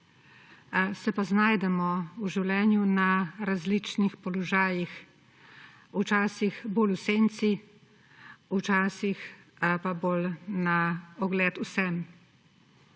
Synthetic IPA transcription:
sɛpaznaːjd̪ɛmɔuʒiwlɛːnjunaɾazlit͡ʃnixpɔlɔʒaːjix | ut͡ʃaːsixboːluseːnt̪si | ut͡ʃaːsix | paboːlnaɔɡlɛːt̪usɛn

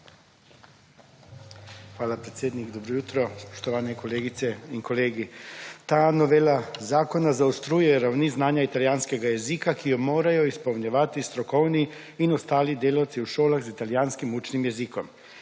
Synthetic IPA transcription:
xʋaːlapɾet̪sjeːd̪niɡd̪obɾojut̪ɾɔspo̥ʃt̪oʋaːnɛkoleːɡit̪sɛiŋkoleːɡit̪aːnoʋeːlazaːkonazaust̪ɾuːjɛɾawniznaːɲait̪aljaːnskeɡajezikakʰijomoːɾajoispowɲaʋat̪ist̪ɾokowniː | nost̪aːlid̪eːlawt̪siuʃoːlaxzit̪aljaːnskimuːt͡ʃnimjezikom

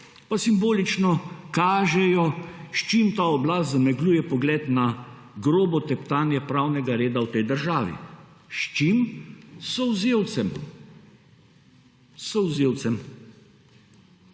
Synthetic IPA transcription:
pasimboːlit͡ʃnɔkaːʒɛjɔʃt͡ʃimt̪aɔblaːst̪zamɛɡluːjɛpɔɡlɛːt̪na | ɡɾoːbɔt̪ɛpt̪aːnjɛpɾaːwnɛɡaɾeːd̪awt̪ɛjd̪əɾʒaːʋḭ | ʃt͡ʃimsɔwzewɛm | sɔwzeːwt̪sɛm

